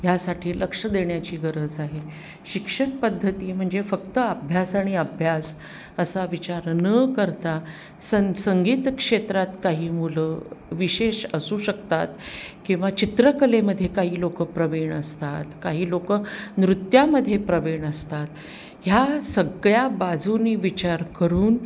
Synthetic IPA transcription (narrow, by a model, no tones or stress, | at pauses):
jasaʈʰiːləkʂəd̪eɳjat͡ɕiːɡəɾəd͡zaɦe | ɕikʂənpəd̪ʱːət̪iːm̤əɳd͡zefəkt̪əəbʱjasaɽ̃iəbʱjas | əsaʋit͡ɕaɾnəkəɾt̪a | səsəŋɡiːt̪kʂet̪ɾat̪kaɦiːmuləʋiɕeɕəsuːɕəkt̪at̪kĩw̃ʋat͡ɕit̪ɾəkəleməd̪ʱːjekaɦiːlokəpɾəʋeɳəst̪at̪kaɦiːlokənɾut̪jaməd̪ʱːjepɾəʋeɳəst̪at̪ | ɦjasəɡɭjabad͡zʱuniːʋit͡ɕaɾkəɾuːn